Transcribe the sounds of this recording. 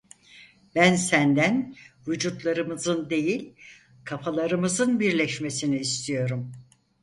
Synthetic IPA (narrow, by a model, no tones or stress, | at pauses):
bænsænd̪ænvud͡ʒut̪lˠaɾɯmɯzɯnd̪e̞jilʲ | kʰafʰalˠaɾɯmɯzɯnbiɾlʲɛʃme̞siniːst̪ʰijo̞ɾum